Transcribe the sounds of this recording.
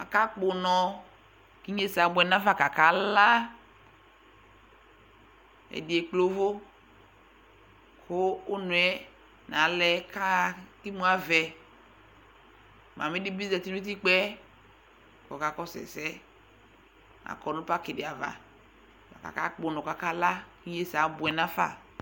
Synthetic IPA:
a̰˨ka˦k͡pʊ˨nɔ˨ | ki˦ɲe˦sa˨bʊ˨˦ɛ˨na˦va˨ka˨ka˨˦la˦ | ɛ̰˨dɪ˨ɛ˨k͡plo˦vo˦ | kʰʊː˦nʊ˨ɛ˦ | na˨˦lɛ˦ka˦ki˦mũ˦a˦vɛ˨ | mã˨mɪ˦di˦bi˦zɛ˨ti˦n˦u˦t̬i˦k͡pɛ˦ | kɔ˨ka˨kɔ˦sɛ̰˨sɛ˦ | a̰˨kɔ˨nʊ̃˦pa˦kɪ˨dɪ˨a˨va̰˨ | va̰˨ka̰˨ka̰˦k͡po˨˦nɔ˨ka˨ka˦la˦ki˦je˦sa˨˦bʊ˨ɛ˨nã˦fa̰˨

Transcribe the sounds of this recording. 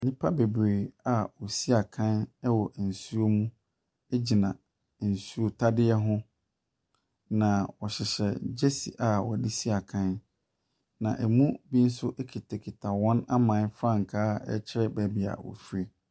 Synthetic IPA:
nĩ˦pʰa˦be˨bɾe˨a˨wɔ˨si˦a˨kʰã˦nɛ˦wɔ˨ʔn̩˨su˦o˦mũ˦ | e˦d͡ʑi˨nã˨ | n̩˨su˦o˨tʰa˦dɪ˦ɛ˦ɦʊ̃˦ | nã˨wɔ˨ɕɪ˨ɕɛ̰˨d͡ʑe˦si˨ʔa˨wɔ˨di˦si˦a˨kʰã˦n | nã̰˨ʔɛ˨mũ˦bi˦n̩˦sʊ˦ʔe˦kʰi˨tʰe˨kʰi˨tʰa˨wɔ̃˦na˦mã˨˦fɾã˦ŋ̩˨kʰaː˦ɛ̰˦t͡ɕʰɪ˦ɾɛ˦bæ˨bi˨a̰˨wɔ̰˨fi˦ɾe˦

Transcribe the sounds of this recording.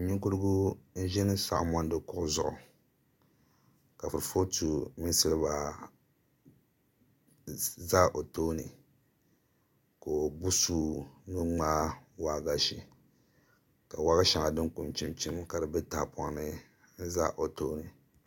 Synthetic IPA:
ɲi˦ku˦ɾɨ˦ɡu˦n̩˦ʒɛ˦nɨ˦sa̰˨ʔmɔ˦n˦dɨ˦kʊ˦ʔʊ˦zʊ˦ʔʊ̰˨ | ka˨fɨ˨ɾɨ˨fo˦tʰu˨mi˦sɨ˦lɨ˦ba˨ | za˦ʔo˨toː˦nɨ˨ | ko˨bu˦suː˦nɨ˦ŋ͡maː˦wa˦ɡa˦ʃi˨ | ka˨wa˦ɣa˦ʃa˨ŋa˨dɨ˦ŋku˨nt͡ʃi˦mt͡ʃi˦m˦ka˨dɨ˨bɛ˦taː˨pʰɔ˦ŋnɨ˦ | n̩˦za̰˦ʔo˨to˦nɨ˨

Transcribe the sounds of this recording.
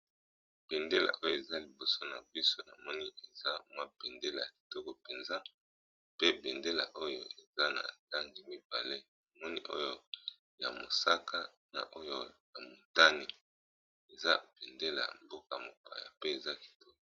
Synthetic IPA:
b̥ɛ˨nde˦la̰˨ʔo˦jo˦˨e˨za˦li˨bo˨so˦na̰˨bi˦so˦na̰˨mɔ˦ni˦ʔe˨za˦mwa˦bɛ˨nde˦la̰˨a˨ki̥˨tɔ˦kɔ˨pe˨nza˦ | pe˦bɛ˨nde˦la̰˨ʔo˦jo˦e˨za˦na̰˨da˦ŋɡi˦mi˦ba˨le˦na˨mɔ˦nḭ˦ʔo̰˦jo˦ | ja̰˨mo̰˨sa˦ka˦ | na̰˨ʔo˦jo˦ja˨mo˨ta˦ni˨ | e˨za˦bɛ˨nde˦la̰˨mbo˦ka˨mo˨ka̰˨ja̰˨pe˦e˨za˦ki̥˨tɔ˦kɔ˨˦

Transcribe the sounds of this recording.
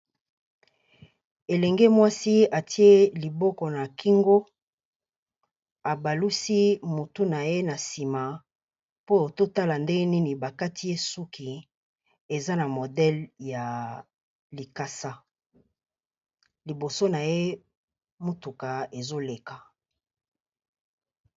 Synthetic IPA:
e˨lɛ˨ŋɡe˦mwa˦si˦a˨ti˦e˦li˨bɔ˦kɔ˨na˨kʰi˦ŋɡo˦ | a˨ba˨lu˦si˦mo˨tu˦na˨je˦na˨si˨ma˨ | po˦o˨to˦ta˦la˨nde˦ni˦ni˨ba˨ka˦ti˦je˦su˦kʰi˨ | e˨za˦na˨mo˨dɛ˦lja˨ | li˨ka˦sa˦ | li˨bo˨so˦na˨je˦ | mo˦tu˨ka˨e˨zo˦le˨ka˨

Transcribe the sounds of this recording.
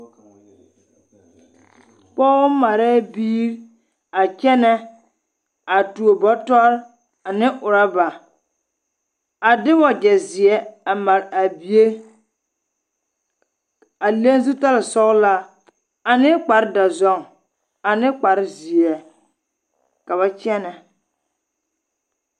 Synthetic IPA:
k͡pɔː˦ma˨ɾɛ˦biː˦ɾ | a˨t͡ʃɛ˦nɛ˦ | a˨tu˨o˨bɔ˦tɔ˦ɾ | a˨nɪ˦ʔʊ˨ɾa˦ba˨ | a˨dɪ˦wɔ˨d͡ʒɛ˨zɪ˨ɛ˦a˨ma˨ɾa˨bi˨e˦ | a˨le˦n˦zu˦ta˦la˨sɔ˦ɣla˦ | a˨nɪ˦k͡pa˨ɾɪ˦da˨zɔ˦˨ŋ | a˨nɪ˦k͡pa˨ɾɪ˦zi˨ɛ˨ | ka˨βa˦t͡ʃɛ˦nɛ˨

